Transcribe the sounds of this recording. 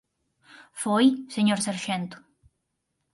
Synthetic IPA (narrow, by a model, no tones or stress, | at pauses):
fojseɲoɾsaɾʃent̪o̥